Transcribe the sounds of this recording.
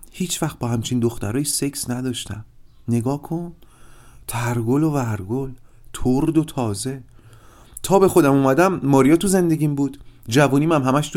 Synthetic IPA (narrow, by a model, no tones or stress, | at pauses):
hiːt͡ʃʰvæxt̪̚bɒːhæmt͡ʃʰiːnd̪oxt̪æɾɒːjise̞ksnæd̪ɒːʃt̪æ̰m | ne̞ɡɒːkʰon | t̪ʰæɾɡolovæɾɡol | t̪ʰoɾd̪ot̪ʰɒːze̞ | t̪ʰɒːbe̞xo̞d̪æmuːmæd̪æmːɒːɾijɒːt̪ʰuze̞nd̪e̞ɟʲiːmbuːd̪̥d͡ʒævuːniːmæmɦæmæʃt̪